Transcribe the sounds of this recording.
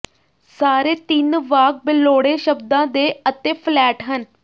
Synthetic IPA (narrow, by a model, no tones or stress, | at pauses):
saːɾeːt̪ɪnʋaːk̚bɪlːoːɽeːʃəbd̪ãːd̪eːət̪eːpʰlɛːʈɦən